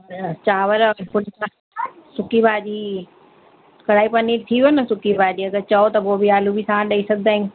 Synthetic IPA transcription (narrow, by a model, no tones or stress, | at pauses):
t͡ɕaːʋəɾpʊɽa | sʊkibaːd͡ʑiː | kɐɽ̤aːipɐnit̪ʰinɐsʊkibaːd͡ʑiːɐɡəɾt͡ɕɐot̪ɐpoːbiaːlubʱisããɗɐisɐɡd̪aːĩ